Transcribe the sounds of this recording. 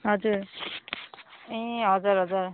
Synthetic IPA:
ɦʌd͡zuɾ | ĩɦʌd͡zaɾɦʌd͡zaɾ

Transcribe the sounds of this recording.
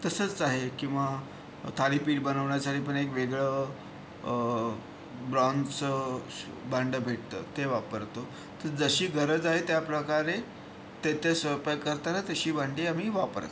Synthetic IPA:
t̪əsət͡saɦekĩw̃ʋa | t̪ʰaliːpiːʈ̚bənəʋɳjasaʈiːp̬əɳekʋeɡɭə | bɾɔnt͡sə | baɳɖəbʱeʈ̚t̪ə̰ːt̪eʋapəɾt̪o | t̪əɾd͡zəɕiːɡʱəɾəd͡zaɦet̪japɾəkaɾe | t̪et̪esʋəpajkəɾt̪aɾat̪əɕiːbaɳʈiːam̤iːʋapə̰ɾt̪

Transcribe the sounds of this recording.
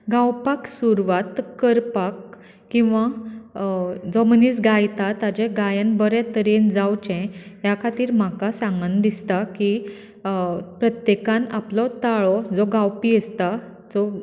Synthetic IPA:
ɡawpaksuɾʋat̪kəɾpak | kːĩw̃ʋa | d͡zɔməniːt͡sɡajt̪at̪ad͡ʑɛ̃ɡajənbəɾɛt̪əɾend͡zawt͡ɕɛ̃ɦjakʰat̪iːɾm̤akasãŋɡənd̪ist̪aki | pɾət̪jekãnaplɔt̪aɭɔd͡zɔɡawpiəst̪a | d͡zɔ

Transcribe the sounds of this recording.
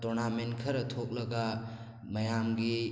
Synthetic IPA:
tɔɾnamenkʰɐɾɐtʰok̚lɐɡa | mɐjamɡi

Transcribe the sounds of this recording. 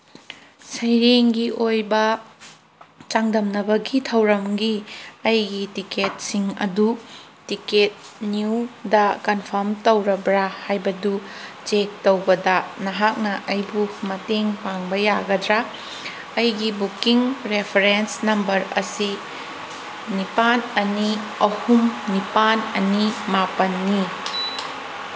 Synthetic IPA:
sɐjɾeŋɡiʔojbɐ | t͡ʃaŋdɐmnɐbɐɡitʰɐwɾɐmɡiɐjɡitiket̚siŋɐ̰dutiket̚ | nidɐkɐnpʰɐɾmtɐwɾɐbɾahajbɐdut͡ʃek̚towbɐdɐnɐɦak̚nɐʔɐjbumɐteŋpaŋbɐjaɡɐdɾa | ɐjɡibukiŋɾepʰeɾensnɐmbɐɾɐ̰si | nipanɐniɐhumnipanɐnimapɐnːi

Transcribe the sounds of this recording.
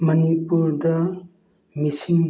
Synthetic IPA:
mɐnipuɾdɐ | misiŋ

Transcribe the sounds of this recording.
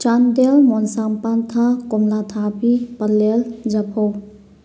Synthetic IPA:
t͡ʃand̪elmɔnsampant̪ʰakɔmlat̪ʰabipəɾleld͡ʒɐpʰow

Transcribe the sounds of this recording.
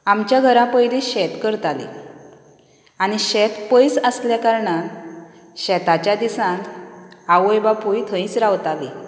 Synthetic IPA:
amt͡ɕjaɡʱəɾãpəɦjleɕɛt̪kəɾt̪alḭ | añiɕɛt̪pəjsəsljakaɾɳã | ɕɛt̪at͡ɕjad̪isãk̪awəjbapujt̪ʰə̃ĩt͡sɾawt̪ali

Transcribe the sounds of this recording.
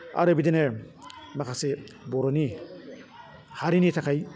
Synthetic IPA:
a̰ɾebid̪ine | makʰasebɔɾoni | haɾinit̪ʰakʰaj

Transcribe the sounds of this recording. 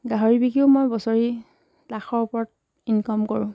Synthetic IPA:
ɡaɦoɹibikiʊmojbɔsɔɹi | taxɔɹupɔɹɔt̚ | inkɔmkɔɹʊ̃

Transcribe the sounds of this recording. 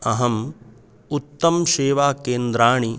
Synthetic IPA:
ɐɦɐm | ut̪ːɐmʃeːʋaːkeːnd̪ɾaːɳi

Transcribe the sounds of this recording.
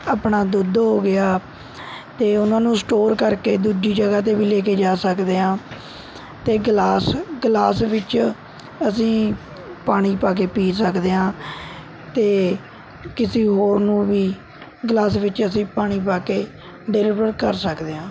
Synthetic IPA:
aːpɳaːd̪ʊd̪ɦoːɡɪaː | t̪eːʊnãːnũːsʈoːɾkəɾkeːd̪uːd͡ʒiːd͡ʒəɡaːt̪̬eːʋiːleːkeːd͡ʒaːsəkd̪eːɦãː | t̪eːɡlaːsɡlaːsʋɪt͡ʃ | əsĩː | paːɽ̃iːpaːk̬eːpiːsəkd̪eːɦãː | t̪eː | kɪsiːɦoːɾnũːʋiː | ɡlaːs̬ʋɪt͡ʃəsĩːpaːɽ̃iːpaːkeː | ɖelɪʋɾəɾkəɾsəkd̪eːɦãː

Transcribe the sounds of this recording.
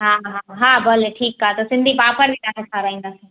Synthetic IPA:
ɦãɦɦãɦãbɐleʈʰiːkːaːt̪osɪ̃nd̪ʱipaːpəɾbʱit̪asekʰaːɾaĩŋd̪as

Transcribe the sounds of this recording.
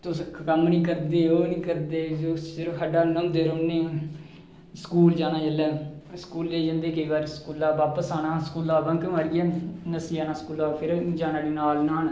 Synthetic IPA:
t̪ʊskəmnĩːkəɾd̪eːoːnĩːkəɾd̪eːd͡ʒoːsɪɾəfɦəɖaːnəmd̪eːɾoːnẽː | sə̥kuːld͡ʒaːnaːd͡ʒəlɛːskuːlːeːd͡ʒãːnd̪eːkəiːʋaːɾsə̥kuːlaːʋaːpəsaːnãːsəkuːlaːbəŋkməɾijanəsiaːnãːskuːlaːpʰɪɾd͡ʒaːnaːɽeːnaːlnaːn

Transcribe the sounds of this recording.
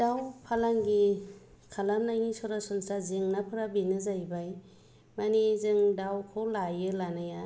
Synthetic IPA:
dawpʰalaŋɡi | kʰalamnajŋisɔɾasɔnsazɯŋnapʰɯɾabinɯzajbaj | manizɯŋdawkʰowlajɯlanaja

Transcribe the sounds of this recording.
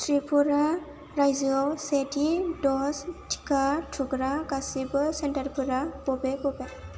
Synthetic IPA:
tɾipʰuɾa | ɾajzɯawsetidɔstʰi̥kʰatʰuɡɾaɡasibɯsentaɾpʰuɾabɔbebɔbe

